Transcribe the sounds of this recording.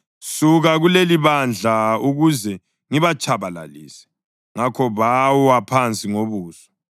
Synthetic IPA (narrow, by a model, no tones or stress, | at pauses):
suɣaɣuleliβand͡ɮʱauɣuzɛ | ŋiβat͡ʃʼʰaβala̰lisɛ̥ | ŋakʰɔβawwapʰant͡sʼiŋoβuːsɔ̥